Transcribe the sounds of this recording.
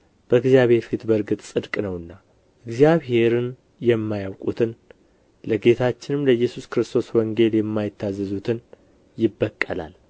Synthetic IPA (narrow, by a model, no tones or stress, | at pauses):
b̥əɨɡzijaβhe̞ɾfit̪bəɾɡɨt̪ʼsʼɨd̪kʼnəwɨnːa | ʔɨɡzjaβɦe̞ɾɨn | jɛmːajawkʼṵt̪ʰɨn | ləɡe̞t̪ʰat͡ʃːɪnɨmləjːɛsuskɾɨst̪ʰo̞swɔŋɡe̞ljɛmːajɪt̪ʰːazːɨzut̪ʰɨn | jɪbːəkʼːəla̰l